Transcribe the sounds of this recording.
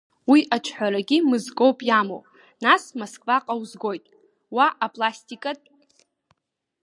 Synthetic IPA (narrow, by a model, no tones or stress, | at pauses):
wiʔat͡ʃʰħʷaɾaɡʲimɨzɡowpʼjamo̰w | nasmoskʼvaqʼawzɡo̞jtʼ | waʔapʼlasʲtʼikʼatʼ